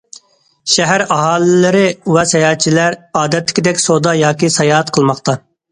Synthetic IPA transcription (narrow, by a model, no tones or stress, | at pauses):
ʃɛɦæɾɑɦɑːlɪlɪɾɪwɛsɛjɑːt̪t͡ʃʰilæɾɑːd̪ɛt̪ʰːɪ̥kʲd̪ɛkʲsod̪ɑjɑːkʲisɑjɑːɛt̪̚qʰəlˠmɑχt̪ɑ